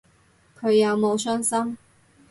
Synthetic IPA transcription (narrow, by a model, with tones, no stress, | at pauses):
kʰɵ˨˧ɥjɐ˨˧wmo˨˧wsœː˥ŋsɐ˥m